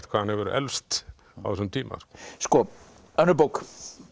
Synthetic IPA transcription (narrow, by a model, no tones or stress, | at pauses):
t̪kʰvaːhanhɛvɪɾʔɛ̰lst̪ | a̰wðsɛnt̪ʰiːma̰r̥skɔ | œnəbʊk